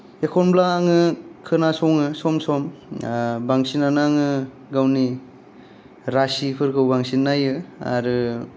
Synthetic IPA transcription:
ekʰɔnblaːŋɯkʰɯnasɔŋɯsɔmsɔm | baŋsinanaŋɯ | ɡawni | ɾasipʰɯɾkʰɯwbaŋsinːajɯa̰ɾɯ

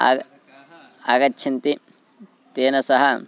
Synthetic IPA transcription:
aːɡɐtːʃʰɐnt̪i | t̪eːnɐsɐɦɐ

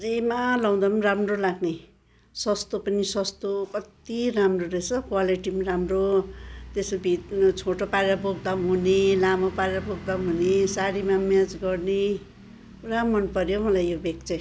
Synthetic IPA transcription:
d͡zemalaw̃d̪anmramrolaɡnej | sʌst̪opʌnisʌst̪okʌt̪iɾamroɾesʌkwaliʈimaɾamrot̪esbʱit̪t͡sʰoʈopaɾeɾapoɡ̚d̪aɦunelamopaɾeɾapoɡ̚d̪aɦunesaɽimamat͡sɡʌrne | kuɾamʌnpʌɾjomʌlajjobekt͡sʌ̃j̃

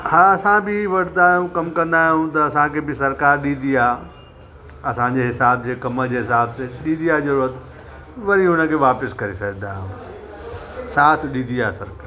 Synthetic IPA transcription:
hãːɐsãbɪʋɐɽ̤naːjũkɐmkɐ̃nd̪aːɦijũt̪̬ɐɐsãkʰeːbɪsɐɾkaːɾɗĩːnd̪iaː | ɐsãɲd͡ʑeɦɪsaːb̚d͡ʑeːkɐməd͡ʑeːɦɪsaːbseɗĩːnd̪iaːzɐɾuɾət̪ | ʋɐɾiɦʊnə̆kʰeːʋaːpɪskɐɾesɐɡ̃nd̪aːɦũ | saːt̪ʰɗĩnd̪iaːsɐɾkaː

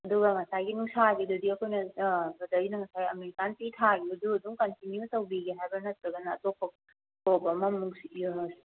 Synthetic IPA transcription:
ɐduɡɐŋɐsajɡinusaɡidudiɐkʰojnɐbɐdɐinɐŋɐsajɡiɐmeɾikanpitʰaɡibɐduɐduŋkɐntinjutɐwbiɡeɦajbɐnɐt̚ɾɐɡɐnɐ̰ːtopːɐk̚ | tobɐmɐmuks

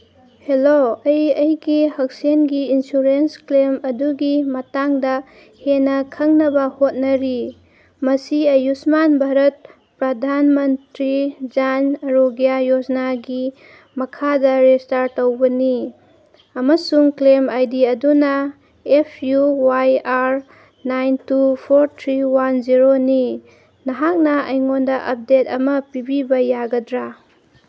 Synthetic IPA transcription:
heloɐjɐjɡihɐk̚senɡiinsuɾensklemɐduɡimɐtaŋdɐ | henɐkʰɐŋnɐbɐhot̚nɐɾi | mɐsiɐjusmanbʱaɾɐt̚ | pɾɐdʱanmɐntɾid͡ʒanɐɾoɡijajod͡ʒnaɡi | mɐkʰadɐɾestaɾtɐwbɐni | ɐmɐsuŋklemajdiɐdunɐ | epʰjuwajaɾ | najntupʰoɾtʰɾiwanziɾoni | nɐɦak̚nɐɐjŋondɐʔɐp̚detɐmɐpibibɐjaɡɐdɾa

